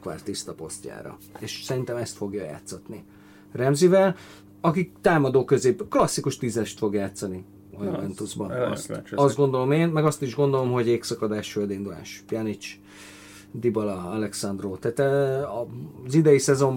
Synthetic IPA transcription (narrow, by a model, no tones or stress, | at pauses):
kʋa̰rt̪ːist̪ɒpo̞̰stca̰ːɾɒ̰ | eʃsɛɾint̪ɛmɛst̪fo̞ɡjɒja̰ːt̪sɒt̪ni | rɛmzivɛl | ɒkikt̪aːmɒd̪oːkø̞zeːbklɒsːikuʃt̪iːzɛʃt̪fo̞ɡjaːt̪sɒni | ɒjuvɛnt̪uzbɒɒ̰st̪ɒzd̪ɡo̞nd̪o̞lo̞meːnmɛɡɒst̪iʒɡo̞nd̪o̞lo̞mɦo̞ɟeːksɒkɒd̪aːʃføld̪ind̪ula̰ːʃpjɒnit͡ʃ | d̪ibɒlɒɒlɛksɒnd̪roːt̪aːt̪ɛɒzid̪ɛjisɛzo̞m